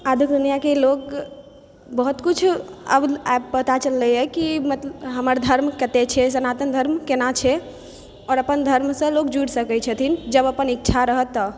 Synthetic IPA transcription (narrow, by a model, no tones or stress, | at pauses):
ad̪ʱiuk̚d̪unijakelok | bəɦut̪kut͡ʃʰə̰bap̚pət̪at͡ʃəlːəjɛkimət̪ləɦəməɾd̪ʱəɾmkət̪et͡ʃʰɛsənat̪ənd̪ʱəɾmkenat͡ʃʰɛ | ɔɾəpənd̪ʱəɾmsə̃lokd͡ʒuɽsəkɛt͡ʃʰət̪ʰind͡ʒəbəpənikːʃʰaɾəɦət̪ːə